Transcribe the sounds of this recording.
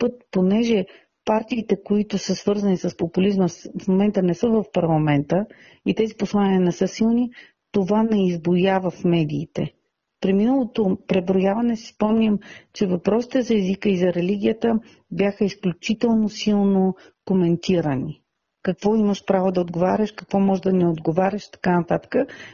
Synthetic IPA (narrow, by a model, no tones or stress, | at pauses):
pɤt̪̚ponɛʒɛ | paɾt̪iːt̪ɛkoit̪ʊsəsvɤɾzɐnisəspopulizməsfmomɛnt̪ənɛsəvɐfpɐɾlˠɐmɛnt̪ə | it̪ɛziposlˠaniənɛsɤsilˠni | t̪ovanɛizbojavəfmɛd̪iːt̪ɛ̰ | pɾiminəlˠot̪opɾɛvɾojavɐnɛsi̥spɔmnʲimt͡ʃɛvɐpɾɔsi̥t̪ɛzɐɛzikəizɐɾɛliɡ̟ʲiət̪ə | bʲjaxəisklʲut͡ʃit̪ɛlˠnosilˠno | komɛnt̪iɾəni | kɐkvɔiməʃpɾavod̪ɐod̪ɡovaɾʲəʃkɐkvɔmɔʒd̪ɐnɛod̪ɡovaɾʲəʃt̪ɐ̥kanɐt̪at̪ə̥kə